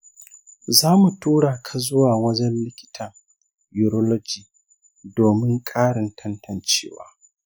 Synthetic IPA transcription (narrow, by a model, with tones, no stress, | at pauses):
zaː˦mu˨tʰuː˦ɽaː˨kʰa˨zʊ˦waː˨wɐ˦d͡ʒɛ˦nlɪ˦kʲɪ̥˦tʰɐ˨ŋ | ju˨ɾɔ˦lɔ˦d͡ʒiː˨ | doː˨mɪ˦ŋkʼaː˦ɽɪ˨ntʰɐ˦ntʰɐ˨nt͡ʃḛː˦wa̰ː˦